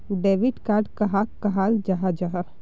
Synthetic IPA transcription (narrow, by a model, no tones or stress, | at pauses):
ɖeːʋɪɖkaːɾɖkɐɦakɐɦaːld͡ʒaɦad͡ʒaɦa